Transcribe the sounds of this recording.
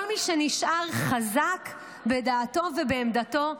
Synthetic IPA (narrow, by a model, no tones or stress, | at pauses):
lmiʃeniʃʔaʁχazak | bedaːto̞vebeːmd̪ato̞